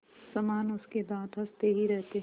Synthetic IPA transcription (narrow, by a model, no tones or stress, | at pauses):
sɐmaːnʊsked̪ãːt̪ɦɐst̪eɦiɾɛɦt̪e